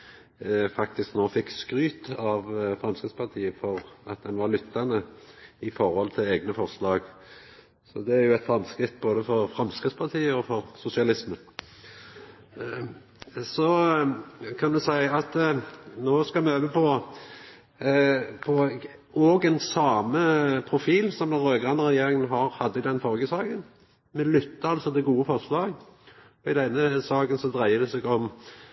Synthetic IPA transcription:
fɑkt̪ɪsknoːfɪkːskɾyːt̪ɑʋfʁɑmskʁɪt̪spʰɑʁt̪ʰiːəfɔʁɑt̪̚d̪ɛnʋɑɾlʏt̪ʰːɑnəɪfɔɾhɔlt̪ʰɪleːɡnəfɔʁslɑːɡ | sɔd̪ɛæɾjʊɛt̪fɾɛmːskɾɪt̪ːboːd̪əfɔɾfɾɑmskʁɪt̪spʰɑʁt̪ʰiːəɔfɔɾsʊsɪɑlɪsmə | sɔ | kʰɑnd̪ʉsæɪɑt̪noːskɑmɛøːʋəpʰɔ | pʰɔ | ɔɡɛnsɑːməpʰɾʊfiːlsɔmd̪ɛnɾøːɡʁɑnʁɛjeːɾɪŋənɦɑɾhɑd̪ːəɪd̪ɛnfɔʁɡəsɑːɡən | mɛlʏt̪ːəɑlsɔd̪ɛɡuːəfɔʁʂlɑːɡ | ɔɪd̪ɛnːəsɑːɡənsɔd̪ʁæɪəd̪ɛsɛɡɔm

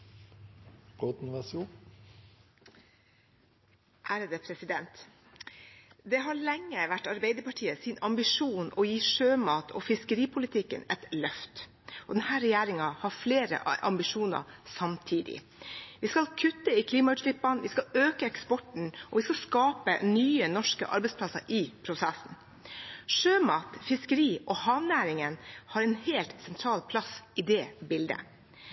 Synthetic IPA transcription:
ɾot̪nʋɛsuː | hæɾəd̪epʰɾɛsɪd̪ɛnt̪ | d̪ɛɦɑɭɛŋːəʋæʈːɑɾbeɪd̪əɾpɑʈʰiːəsɪnɑmbɪʂuːnɔjiːʂøːmɑːt̪ʰɔːfɪskəɾiːpʰʊlɪt̪ʰɪkːə̰nɛt̪lœft̪ | ʔɔd̪ɛnhæːɾɛjæːɾɪŋɑhɑɾfleːɾə̰ʔʔɑ̰mbɪʂuːnɑ̰sɑmt̪ʰiːd̪ɪ̰ | ʋɪskɑlkʰʉt̪ːəɪkʰliːmɑʉːt̪ʃlɪpːɑnʋɪskɑøːkəɛkspɔʈɳ̩ʔɔʋɪskɑskɑːpə̰nyːənɔʂkə̰ʔɑ̰ɾbɛɪspʰlɑsə̰ɾʔɪpʰɾʊsɛsn̩ | ʂøːmɑːt̪fɪskəɾiːʔɔhɑːʋnæːɾɪŋənhɑɾɛnheːlt̪sɛnt̪ʰɾɑːlpʰlɑsɪd̪ɛːbɪld̪ə̰

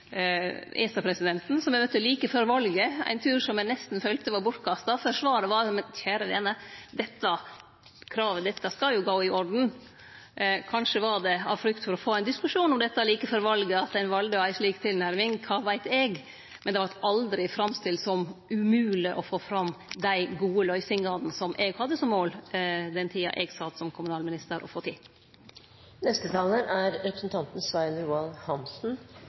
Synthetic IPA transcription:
ɛːsɑpʰɾɛsɪd̪ɛnt̪n̩sɔmɛmœt̪ːəɔliːkəføɾʋɑlɡəæ̰ɪnt̪ʰʉːɾʂɔmjɛnɛst̪n̩fœlt̪əʋɑɾbʊʈkʰɑst̪ɑfœʂʋɑːɾəʋɑɾmɛçæːɾəʋḛːnəd̪ɛt̪ːɑ | kʰɾɑːʋəd̪ɛt̪ːɑskɑljʊɡoːɪʔɔɖn̩ | kʰɑnʂəʋɑɖɛɑ̰ʋfɾʏkt̪fɔɾɔfoːæɪnd̪ɪskʉʂuːnɔmd̪ɛt̪ːɑliːkəfɔɾʋɑlɡəɑt̪ːæɪnʋɑld̪əæɪʂɭiːkt̪ʰɪlnæɾmɪŋkʰɑːʋæɪt̪ɛɡ | mɛnd̪ɛʋɑʈɑld̪ɾɪfɾɑmst̪ɪlːsɔmʉmʉːlɪʔɔfoːfɾɑmd̪æɪɡuːəlœʏsɪŋɑlnsɔmʔɛɡhɑd̪ːəsɔmmːoːld̪ɛnt̪ʰiːɑ̰ʔɛɡsɑt̪sɔmkʰʊmʉnɑːlmɪnɪst̪əɾʔɔ̰foːt̪ʰɪ | nɛst̪ət̪ʰɑːlənæɾɾɛpɾəsn̩t̪ʰɑnt̪n̩sʋæɪnɾuːɑnhɑmsn̩

